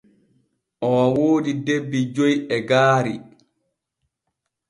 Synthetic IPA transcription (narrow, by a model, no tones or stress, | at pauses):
ʔɔwawoːdidebːid͡ʒojɛɡaːɾi